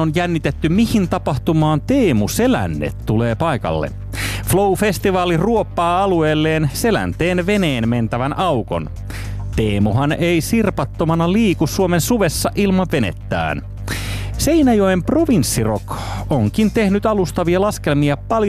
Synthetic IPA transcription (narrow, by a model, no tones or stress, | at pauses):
onjænːit̪et̪ːymihint̪ɑpɑht̪umɑːnt̪eːmuse̞læ̰nːḛt̪tule̞ːpɑjkɑ̰lːḛ | floufe̞st̪iʋɑːliruopːɑːɑlue̞ːlːeːnse̞læ̰nt̪eːnʋe̞ne̞ːnme̞nt̪æʋænʔɑwko̞̰n | t̪eːmuɦɑne̞isirpɑt̪ːomɑnɑliːkusːuomensuʋesːɑʔilmɑʋʋe̞nḛt̪ːæ̰ːn | se̞inæjo̞jmpro̞ʋinsːirokoŋk̟int̪e̞hnyt̪ɑlust̪ɑʋiɑlɑske̞lmiɑpɑlj